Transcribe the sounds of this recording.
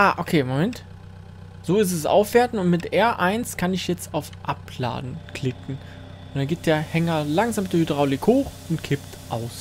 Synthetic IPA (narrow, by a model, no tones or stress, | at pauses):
ʔaːʔokʰeːmomɛnt | z̥oːɪs̬tɛsʔa̰ʊfv̥eːɐtn̩ʊntmɪtʔɛɐʔaɪnskʰanɪçjɛt͡staʊfʔapla̰ːdn̩kl̥ɪkŋ̩ | ʊntd̥anɡɪːp̚d̥eːɐhɛŋɐlaŋzaːmdʊdʁaʊlɪkhoːχ | ʊntkʰɪptʔaʊs